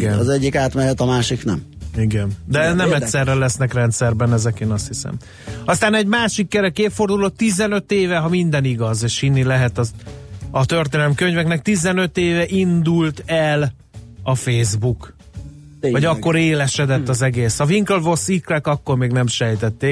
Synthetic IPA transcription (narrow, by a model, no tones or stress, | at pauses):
ɡɛnɒzɛɟːikaːt̪mɛɦɛt̪ɒmaːʃiknɛ̰m | iɡɛnd̪ɛnɛmɛtʲːsɛrːɛlɛsnɛkrɛnt̪sɛrbɛnɛzɛkeːnɒst̪hisɛ̰m | ɒst̪aːnɛɟmaːʃikːɛɾɛkeːfo̞rd̪ulot̪ːizɛnø̞t̪eːvɛɦɒmind̪ɛniɡɒzeːʃhinːilɛɦɛt̪ɒ | ɒt̪ørt̪eːnɛlmkøɲvɛknɛk̚t̪izɛnø̞t̪eːvɛʔind̪ult̪ɛl | ɒfeːzbuk | vɒɟɒkːo̞ɾeːlɛʃɛd̪ɛt̪ːɒzɛɡeːshɒviŋklvosiklɛkɒkːo̞rmeːɡnɛmʃɛjt̪ɛt̪ːeː